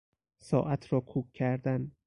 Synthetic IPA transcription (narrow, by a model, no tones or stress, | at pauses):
sɒ̰ːʔæt̪ʰɾɒːkʰuːkʲʰːæɾd̪æn